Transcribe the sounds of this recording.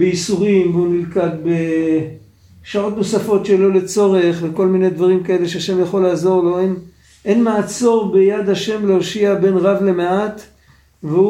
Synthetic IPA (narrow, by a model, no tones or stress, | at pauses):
beisuʁimveunilkadbe | ʃao̞t̪no̞safo̞tʃelo̞le̞t͡so̞ʁeχveko̞lminejd̪vaʁimkae̞le̞ʃeaʃe̞mjaχo̞laːzo̞ʁlo̞en | ʔenmaːt͡so̞ʁbejad̪haʃe̞mleoʃiabe̞nʁavle̞meat̪ | veu